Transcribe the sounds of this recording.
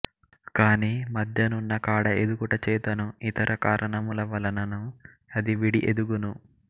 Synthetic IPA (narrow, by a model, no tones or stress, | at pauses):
kaːniːmɐd̪ʱjɐnunːɐkaːɽɐe̞d̪uɡuʈɐt͡ʃɛːt̪ɐnuit̪ɐɾʔɐkaːɾʔɐɳɐmulɐʋɐlɐnɐnu | ɐd̪iʋiɽiʔed̪uɡunu